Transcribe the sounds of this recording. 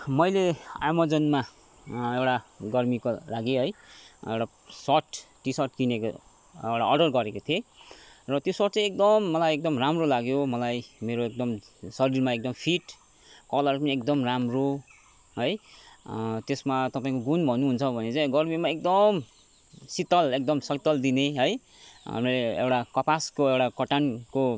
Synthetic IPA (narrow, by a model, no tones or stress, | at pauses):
mʌjlea̰mʌd͡zʌnma | ewʈaɡʌrmikolaɡiɦʌjḛwʈa | sʌʈʈisʌʈkineko̰ | ewʈaʌrɖʌrɡʌɾekot̪ʰierʌt̪josʌʈt͡sãek̚d̪ʌmːʌlajek̚d̪ʌmramrolaɡjomʌlajmeɾoek̚d̪ʌm | sʌɾirmaek̚d̪ʌmpʰiʈ | kʌlʌrpʌniekd̪ʌmramro | ɦʌj | t̪esmat̪ʌpaĩkoɡunbʱʌnuɦunt͡sʰʌbʱʌnet͡saj̃ɡʌrmimaek̚d̪ʌm | sit̪ʌlek̚d̪ʌmsʌt̪ʌld̪ineɦʌj | ʌ̰mileḛwʈakʌpaskoewʈakʌʈanko